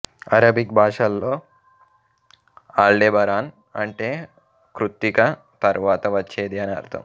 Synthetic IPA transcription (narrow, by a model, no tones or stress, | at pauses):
ɐ̰ɾɐbʱik̚bʱaːʂɐlːoː | aːɭɖeːbɐɾaːn | ɐ̰ɳʈeː | kɾut̪ːikɐ | t̪ɐɾʋaːt̪ɐʋɐt͡ʃːeːd̪iɐnɐ̰ɾt̪ʰɐ̰m